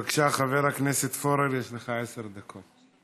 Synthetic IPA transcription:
akʃaχavɛɾaknɛsɛt̪foɾɛɾjɛʃleχaɛsɛɾd̪akʰot̪̚

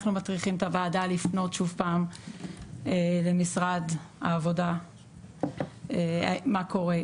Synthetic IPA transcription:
χnumatʁiχimt̪avaːdalifno̞tʃuvpaːm | ele̞misʁada̰ːvo̞da | eamako̞ʁe

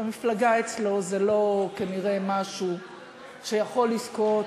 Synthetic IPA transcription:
amiflaɡaet͡slo̞zelo̞kaniʁe̞maʃu | ʃejaχo̞lːisko̞

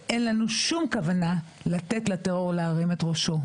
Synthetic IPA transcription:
ʔenlanuʃumkavanalat̪etlateʁoʁlaːʁimetʁo̞ʃo̞

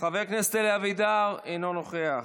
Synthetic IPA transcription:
χaveʁknest̪eleavid̪aʁenonoχeaχ

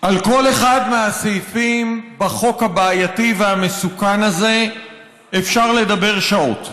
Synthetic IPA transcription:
ʔalko̞le̞χadmeasejfimbaχo̞khabaːjativehamesukanaze̞ | efʃaʁle̞dabe̞ʁʃao̞̰t

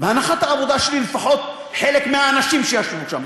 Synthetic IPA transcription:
vanaxat̪aɾabod̪aʃliːlfaħot̪̚ | ħeːlekmɪaanaʃiːmʃejaʃvuʃam

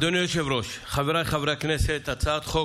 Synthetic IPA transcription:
d̪onjoʃevɾoʃχaveɾajχavɾakneset̪at͡sʰat̪χo

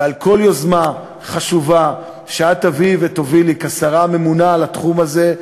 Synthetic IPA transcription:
alko̞ljo̞zma | χaʃuva | ʃeat̪avivet̪ovilikasaʁame̞munalat̪χumaze

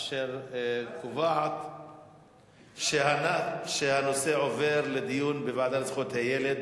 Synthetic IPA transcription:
ʃeʁkuvaʕat̪ | ʃehanaʃehanose̞ʕo̞ve̞ʁled̪ijunbevaʕd̪halt͡sχot̪hajeled̪

